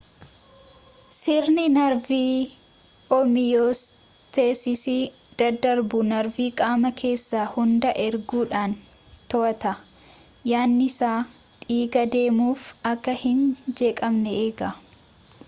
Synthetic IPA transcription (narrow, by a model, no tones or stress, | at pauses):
sɪɾnɪnɐɾviː | ɔmɪjoːs | t̪eːsɪsi | d̪̥ɐd̪ɐɾbʊnɐɾviːkʼaːmɐkʰe̞ːsːaːhʊnd̪ɐʔɛɾɡuːᶑaːn | t̪ɔʔɐt̪ɐ | jaːnːɪsaːt̪ʼiːɡɐd̪e̞ːmuːfɐkːɐhɪnd͡ʒe̞ːkʼɐmnɛeːɡɐ